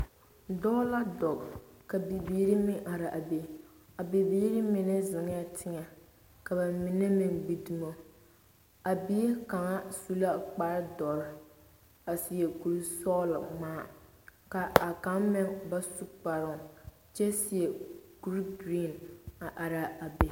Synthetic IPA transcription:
dɔ˦la˦dɔ˨ɡka˨be˨biː˦ɾi˦mɪ˦ʔa˨ɾɪ˨ʔa˨be˨ | a˨be˨biː˦ɾi˦mɪ˨nɛ˦zɪ˨ŋ˦ja˦tʰɪ˦ŋɛ˨ | ka˨ba˨mɪ˨nɛ˦mɪ˨ŋbi˦du˨mo˦˨ | a˨bi˦e˦ka˨ŋa˦su˦la˦k͡pa˦ɾɪ˦dɔ˨ɾɪ˦ | a˨sɪ˨jɛ˨ɡu˨ɾi˦sɔː˦lmaː˦ | ka˨a˨ka˨˦ŋmɛ˦ŋba˦su˦k͡pa˨ɾʊ˨ŋ˨ | t͡ʃɛ˦sɪ˨ɛ˨ɡu˦ɾi˦ɡɾi˦˨na˨ʔa˨ɾa˨a˨be˨

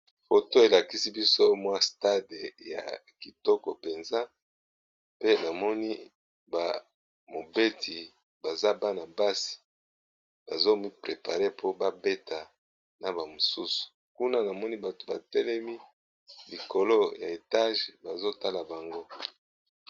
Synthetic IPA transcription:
fo˨to˦e˨la˨ki˦si˦bi˦so˦mwa˦sta˦de˨ja̰˨ | ki˨tɔ˦kɔ˨pe˨nza˦ | pe˦na˨mɔ˦ni˦ | ba˨ | mo˨be˦tʰi˨ | ba˨za˦ba˦na˨ba˦si̥˨ | b̥a˨zo˦mi˦pʁe˨pa˨ʁe˦pʰo˦ba˦be˦ta˨ | na˨ba˨mo˨su˦su̥˨ | ku˦na˦na˨mɔ˦ni˦ba˨to˨ba˨tɛ˦lɛ˦mi˦ | li˨ko˨lo˦ja˨e˨ta˦ʒba˨zo˦ta˦la˨ba˨ŋɡo˦

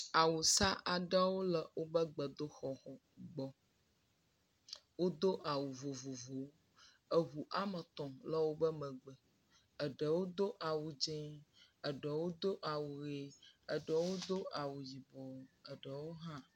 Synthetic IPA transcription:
a˨wu˨sa˦ʔa˨ɖə˦wo˦lə˨wʔo˦bə˦ɡ͡bə˨d̪o˦xɔ˨xɔ˨ | ɡ͡bɔ˨ | wo˦d̪o˦ʔa˨wu˨vo˨vo˨vo˨˦ | ə˨ɦu˨ʔa˦mə˨t̪ɔ̃˨lə˦wo˦bə˦mə̃˨ɡ͡bə˨ | ə˨ɖə˨wo˦d̪o˦ʔa˨wu˨d͡ʒẽ˦ə˨ɖə˨wo˦d̪o˦ʔa˨wu˨ɣe˨ə˨ɖə˨wo˦d̪o˦a˨wu˨ji˨bɔ˨˦ə˨ɖə˨wo˦ɦã˦

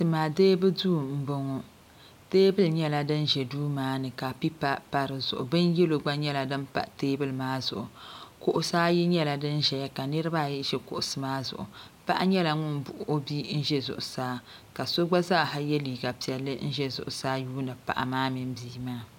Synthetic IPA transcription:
tɨ˨maː˨deː˦bɨ˦duː˦˨m̩˨bo˨ŋo˨ | teː˦bɨ˦lɲɛ˦la˨dɨ˦nʒɛ˨duː˦maː˦nɨ˨ka˨pi˦pa˦pa˨ɾɨ˨zʊ̰˨ʔʊ˨bɨ˦njɛ˦lo˨ɡ͡ba˦ɲɛ˦la˨dɨ˦mpa̰˨ʔteː˦bɨ˦lɨ˨maː˦zʊ̰˨ʔʊ˨kʊ˦ʔʊ˦saː˦ji˦ɲɛ˦la˨dɨ˦nʒɛ˨ja˦ka˨nɨ˦ɾɨ˦ba˦˨jʒɛ˦kʊ̰˨ʔʊ˨sɨ˨maː˦zʊ̰˨ʔʊ̰˨ | pa̰˦ʔa˦ɲɛ˦la˨ŋʊ˦nbʊ˨ʔo˦bi˦n̩˦ʒɛ˦zʊ̰˨ʔʊ˨saː˦ | ka˨so˦ɡ͡ba˦zaː˦˨ɦa˦jɛ˦liː˨ɡa˨pi˨ɛ˨lːɨ˦n̩˦ʒɛ˦zʊ̰˨ʔʊ˨saː˦juː˦nɨ˨pa̰˨ʔa̰˨maː˦mi˨m˦biː˦maː˦˨

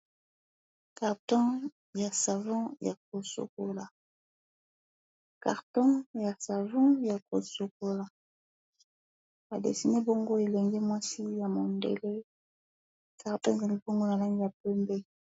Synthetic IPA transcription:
ka˨ʁtɔ̃˦ | ja˨sa˨vɔ̃˦ja˨k̚o˨so̰˨ko˨la˨ | ka̰˨ʁtɔ̃˦ja˨sa˨vɔ̃˦ja˨ko˨so˨k̚o˨la˨ | ba˨dḛ˨si˨ne˦bo˦ŋɡo˦e˨lɛ˨ŋɡɛ˦mwa˦si˦ja˨mo˨ndḛ˨le˦ | ka˨ʁtɔ̃˦˨za˨li˦bo˦ŋɡo˦na˨la˦ŋi˦ja˨pɛ˦mbɛ˦

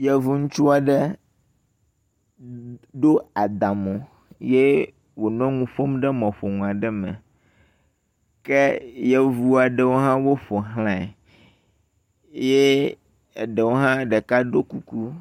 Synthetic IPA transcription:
jɛ˦vu˦ŋũ˦t͡ʃu˦a˨ɖɛ˦ | ɖo˦a˨d̪a˨mõ˨ | je˦ | wo˨nɔ̃˦ŋũ˦ɸo˦mɖɛ˦mɔ̃˨ɸo˨ŋũ˨a˨ɖɛ˦mɛ̰̃˨ | kɛ˦jɛ˦vu˦a˨ɖɛ˦wo˦ɦã˦wo˦ɸo˨ɦlã˨ | je˦˨ | ɖɛ˨wo˦ɦã˦ɖɛ˨ka˦ɖo˦ku˨ku˦

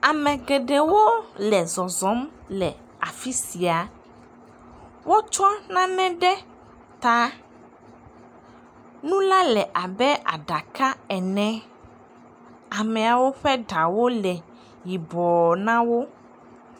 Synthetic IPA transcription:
a˨mɛ̃˨ɡɛ˨ɖɛ˨wo˦lɛ˨zɔ˨zɔ˨˦mlɛ˨ | a˨fi˦si˨a˨ | wo˦t͡ʃɔ˦nã˦nɛ̃˦ɖɛ˦ | t̪a˦ | nũ˦la˦lɛ˨ʔa˨bɛ˦ʔa˨ɖa˨ka˦ɛ˨nɛ̃˦ | a˨mɛ̃˨a˨wo˦ɸɛ˦ɖa˨wo˦lɛ˨ | ji˨bɔ˨nã˦wo˦

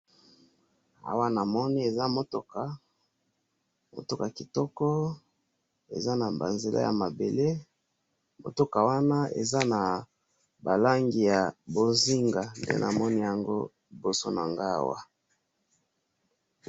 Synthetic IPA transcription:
a̰˨wa˦na˨mɔ˦ni˦e˨za˦mo˦to˨ka˨ | mo̰˨to˦ka˨ki˨tɔ˦kɔ˦ | ḛ˨za˦na˨ba̰˨nze˨lʔa̰˦ja̰˨ma˨be˨le˦ | mo̰˨to˦ka˨wa˦na˦ḛ˨za˦na˨ | ba˨la˦ŋɡi˨ja˨bo˨zi˦ŋɡa˨ndḛ˦nʔa˨mɔ˦ni˦ja˨ŋɡo̰˦ | i˨bo˨so˦na˨ŋɡa˦a̰˨wa̰˦

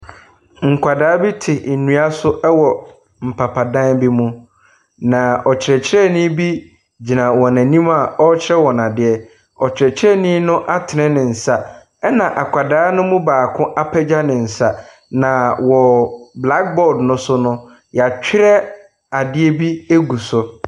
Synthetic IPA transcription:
ŋ̩˨kʷʰa˨daː˦bi˦tʰɪ˨n̩˨nũ˦a˦sʊ˦ʔɛ˦wɔ˨ | m̩˨pʰa˨pʰa˨dã˦bi˦mʊ̃˦ | nã˨ɔ˨t͡ɕʰɪ˨ɾɛ˨t͡ɕʰɪ˦ɾɛ˦nĩ˦bi˦ | d͡ʑi˨nã˨wɔ˨næ̃˨nĩ˦ma˨ɔ˦t͡ɕʰɪ˦ɾɛ˦wɔ˨na˨dɪ˨˦ɛ˨ | ɔ˨t͡ɕʰɪ˨ɛ˨t͡ɕʰɪ˦ɾɛ˦˨nĩ˦nʊ̃˦ʔa˦tʰɪ˨nɛ̃˦nɪ̃˨n̩˨sa˨ | ɛ˦nã˨ʔa˨kʰʷa˨daː˨˦nʊ̃˦mũ˦baː˨kʰʊ̃˦ʔa˦pʰɛ˦d͡ʑa˦nɪ̃˨n̩˨sa˨ | nã˨wɔ˨bla˦k̚bɔ˦˨dnʊ̃˦sʊ˦nʊ̃˦ | ja˨t͡ɕᶣʰɪ˦ɾɛ˦ | a˨dɪ˦ɛ˦bi˦e˦ɡu˨sʊ˨

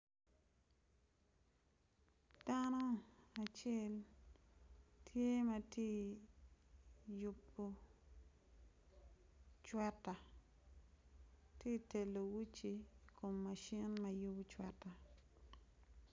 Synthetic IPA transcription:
d̥a˦no˦a˨t͡ʃe˦l | tʰje˦ma˦tje˦ | ju˨pːo˨ | t͡ʃwɛ˦ta˨ | tje˦te˨lːo˨wi˦t͡ʃi˨ko˨mːa˨ʃi˦nma˨ju˦bu˦t͡ʃwɛ˨ta˨

